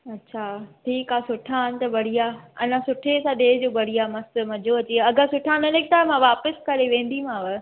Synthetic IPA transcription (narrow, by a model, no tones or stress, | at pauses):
ɐtːɕʰaʈʰiːkasʊʈʰaɦənɪ̆t̪ɐbɐɽ̤ijaɐ̰nãsʊʈʰesãɗeːd͡ʑoːbɐɽ̤ijamɐst̪mɐd͡ʑʱoɐt͡ɕeɐɡʱãsʊʈʰaːnɐnek̚t̪aːmãʋaːpəskɐɾeʋẽːn̆d̪im̤ãːʋɪ